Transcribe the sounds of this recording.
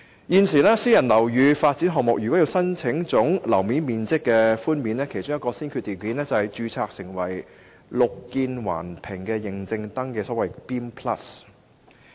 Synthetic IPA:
jiː˧nsiː˨˩lɛː˥siː˥jɐ˨˩nlɐ˨˩wjyː˨˧faː˧t̚t͡siː˨˥nɦɔː˨ŋ̚mʊ˨k̚jy˨kɔ˨˥ji˧wsɐ˥nt͡sʰɪ˨˥ŋt͡sʊ˨˥ŋlɐ˨˩wmiː˨˥nmiː˨nt͡sɪ˥kːɛː˧fuː˥nmiː˨˥nɛː˥kʰe˨˩jt͡ʃʊ˥ŋjɐt̚kɔː˧siː˥nkʰy˧t̚t̪iː˨˩wki˨˥nlɛː˥t͡sɐ˨˧hɐ˨jt͡ʃyː˨˧t͡sʰaː˨k̚sɪ˨˩ŋwɐ˨˩j | lʊ˨kːiː˧nwa̰ː˨˩npʰɪ˨˩ŋkɛː˧jɪ˨ŋt͡sɪ˧ŋt̪ɐ˥ŋkɛː˧sɔː˨˥wɐ˨jpiː˥mpʰlɐ̰˥s

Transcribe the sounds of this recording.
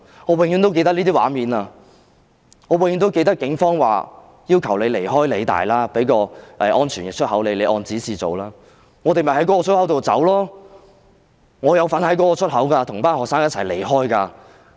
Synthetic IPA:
ŋɔː˨˧we˨ŋjyː˨˧˥nt̪o˥wke˧jt̪ɐ˥liː˥t̪iː˥wa̰ː˨˥miː˨˧naː˧ | ŋɔː˨˧wŋjy˧nt̪wke˧jt̪̬ɐ˥k̚kːɪ˨˥ŋfɔː˥ŋwa̰ː˨ | jiː˥wkʰɐ˨˩wle˨˧le˨˩jɦɔː˥jle˨˧jt̪a̰ː˨jlaː˥pe˨˥jkɔː˧ʔɛː˨˧ʔɔː˥nt͡ʃʰyː˨˩njɪ˨˩t͡ʃʰɵ˥ɦɐ˨˥wle˨˧jle˨˧jʔɔː˧nt͡siː˨˥siː˨t͡so̰˨wlaː˥ | ŋɔː˨˧t̪e˨jmɐ˨jhɐ˨˥jkɔː˨˥kɔː˧sɵ˨˥whɐ˨˥wt̪o˨wt͡sɐ̰˨˥wlɔː˥ | ŋɔː˨˧jɐ˨˧wfɐ˨˥nhɐ˨˥jkɔː˨˥kɔː˧t͡ʃʰɵ˥t̚ɦɐ˨˥wkaː˧t̪ʰʊ˨˩ŋpaː˥nhɔː˨ksaː˥ŋjɐ˥t͡sʰɐ˨˩jle˨˩jɦɔː˥jkaː˧

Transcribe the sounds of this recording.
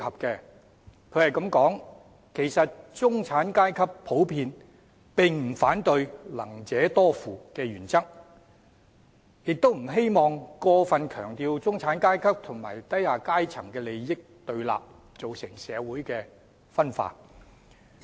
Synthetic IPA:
hɐ˨p̚kɛː˧ | kʰɵ˨˧ɥhɐ˨jkɐ˨˧˥mkɔː˨˥ŋ | kʰe˨˩jsɐ˨t̚t͡sʊ˥ŋt͡sʰaː˨˥nkaː˥jkʰɐ˥p̚pʰo˨˥wpʰiː˧n | pɪ˨ŋm̩˨˩faː˨˥nt̪ɵ˧ɥlɐ̰˨˩ŋt͡sɛː˨˥t̪ɔː˥fuː˨kɛː˧ɥyː˨˩nt͡sɐ˥k̚ | jɪ˨k̚t̪o˥wm̩˨˩ɦe˥jmɔː˨ŋkɔː˧fɐ˨nkʰœː˨˩ŋt̪iː˨˧wt͡sʊ˥ŋt͡sʰaː˨˥nkaː˥jkʰɐ˥p̚t̪ʰʊ˨˩ŋma̰ː˨˩jt̪ɐ˥jhaː˨˧kaː˥jt͡sʰɐ˨˩ŋkɛː˧le˨˧jjɪ˥k̚t̪ɵ˧ɥla̰ː˨p̚ | t͡so˨wsɪ˨˩ŋsɛ̰ː˨˧wuː˨˥jkɛː˧ | fɐ˥nfa̰ː˧

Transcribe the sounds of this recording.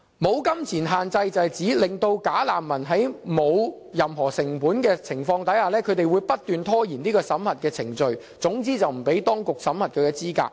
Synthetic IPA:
mo˨˧wkɐ˥mt͡sʰiː˨˩nɦaː˨nt͡sɐ˧jt͡sɐ˨hjt͡siː˨˥lɪ˨ŋt̪o˧wkaː˨˥laː˨mːɐ˨˩nɦɐ˨˥jmo˨˧w | jɐ˨mɦɔː˨˩sɪ˨˩ŋpuː˨˥nkɛː˧t͡sʰɪ˨˩ŋfɔː˧ŋt̪ɐ˨˥jhaː˨˧lɛː˥kʰɵ˨˧ɥt̪e˨jwuː˨˧jpɐ˥t̚t̪yː˨nt̪ʰɔː˥jiː˨˩niː˥kɔː˧sɐ˨˥mhɐ˨˩t̚kɛː˧t͡sʰɪ˨˩ŋt͡sɵ˨ɥ | t͡sʊ˨˥ŋt͡siː˥t͡sɐ˨wm̩˨˩pe˨˥jt̪ɔː˥ŋkʊ˨k̚sɐ˨˥mhɐ˨t̚kʰɵ˨˧kɛː˧t͡siː˥ka̰ː˧k̚

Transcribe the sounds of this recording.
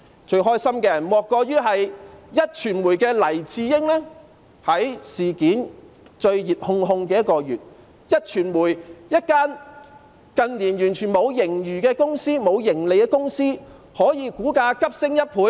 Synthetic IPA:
t͡ʃɵ˧ɥɦɔː˥jsɐ˥mkɛː˧jɐ˨˩nmɔː˨kːɔː˧jyː˥ɦɐ˨jjɐ˥t̚t͡ʃʰyː˨˩nmuː˨˩jkɛː˧lɐ˨˩jt͡siː˧jɪ˥ŋlɛː˥ | hɐ˨˥jsiː˨˩kiː˨˥n | t͡ʃɵ˧ɥjiː˨p̚hʊ˧ŋɦʊ˧ŋkɛː˧jɐ˥kɔː˧jyː˨t̚ | jɐ˥t̚t͡ʃʰyː˨˩nmuː˨˩jjɐ˥t̚kaː˥n | kɐ˧nliː˨˩njyː˨˩nt͡ʃʰyː˨˩nmo˨˧wjɪ˨˩ŋjyː˨˩kɛː˧kʊ˥ŋsiː˥mo˨˧wjɪ˨˩ŋle˨jkɛː˧kʊ˥ŋsiː˥ | hɔː˨˥jiː˨˧kuː˨˥kaː˧kɐ˥p̚sɪ˥ŋjɐ˥t̚pʰuː˨˥

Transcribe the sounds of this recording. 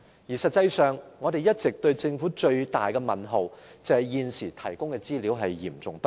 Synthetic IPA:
jiː˨˩sɐ˨t̚t͡sːɐ˧jsœː˨ŋːɔː˨˧d̪e˨jɐ˥t̚t͡sɪ˨k̚t̪ɵ˧ɥt͡sɪ˧ŋfuː˨˥t͡ʃɵ˧ɥt̪a̰ː˨jkɛ˧mɐ˨˩nɦo˨wt͡sɐ˨˧hɐ˨jjiː˨˧nsiː˨˩t̪ʰɐ˨˩jkʊ˥ŋkɛː˧t͡siː˥liː˨˥wɦɐ˨jjḭː˨˩mt͡sʊ˨ŋpɐ˥

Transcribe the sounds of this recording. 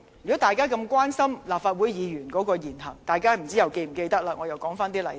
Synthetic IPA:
jy˨˩kɔ˨˥t̪aː˨jkaː˥kɐ˧mkwaː˥nsɐ˥mlaː˨p̚faː˧t̚wu˨˥jjiː˨˧jyː˨˩nkɔː˨˥kɔː˧jiː˨˩nhɐ˨˩ŋt̪aː˨˩jkaː˥m̩˨˩t͡siː˥jɐ˨wke˧jm̩˨˩ke˧jt̪ɐ˥k̚laː˧ŋɔ˨˧jɐ˨wkɔː˨˥ŋfaː˥nt̪̬iː˥lɐ˨˩

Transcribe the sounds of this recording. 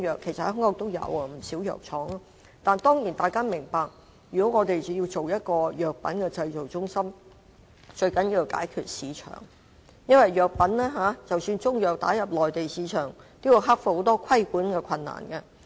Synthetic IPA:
jœː˨kʰːe˨˩jsɐthhʊ˥ŋɔː˧˥kt̪o˥wjɐ̰˨˧wɐ˧m̩˨˩siː˨˥wjœ̰ː˨k̚t͡ʃʰɔː˨˥ŋa˥ | t̪aː˨nt̪ɔː˥ŋjiː˨˩nt̪aː˨jkaː˥mɪ˨˩ŋpaː˨k̚ | jyː˨˩kɔː˨˥ŋɔː˨˧t̪e˨jt͡sɐ˨ji˧wt͡so˨wjɐ˥t̚kɔː˧jœː˨k̚pɐ̰˨˥nkɛː˧t͡sɐ˧jt͡so˨˩wt͡sʊ˥ŋsɐ˥m | t͡ʃɵ˧ɥkɐ˨˥nji˧ka̰ː˨˥jkʰyː˨˧t̚siː˨˧t͡ʃʰœ̰ː˨˩ŋ | jɐ˥nwɐ˨jjœː˨k̚pɐ˨˥nlɛː˥ɦaː˨˥t͡sɐ˨wsyː˧nt͡sʊ˥ŋjœː˨k̚t̪a̰ː˨˥jɐ˨p̚lɔː˨jt̪e˨jsiː˨˧˥t͡ʃʰœː˨˩ŋt̪i˥wu˨˧˩ɦa˥k̚fho˨˥wt̪ɔː˥kʰɐ˥jkuː˨˥nkɛː˧kʰɐ˧nːa̰ː˨˩nkɛ˧

